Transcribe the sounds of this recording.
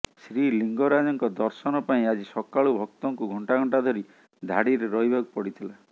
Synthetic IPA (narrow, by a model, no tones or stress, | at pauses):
sɾiliŋɡɔɾad͡ʒɔŋkɔd̪ɔɾsɔnɔpaĩad͡ʒisɔkaɭubʱɔk̚t̪ɔŋkuɡʱɔɳʈaɡʱɔɳʈad̪ʱɔɾi | d̪ʱaɽiɾeɾɔijbakupɔɽit̪ʰila